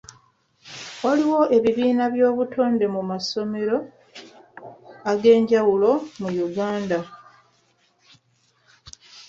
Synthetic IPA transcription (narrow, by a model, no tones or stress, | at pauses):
waliwo̞ʔe̞βiβiːnaβjo̞ːβutʰo̞ːnde̞mumaso̞me̞ɾo̞ | aɡe̞ːɲɟawulo̞mujuɡaːnda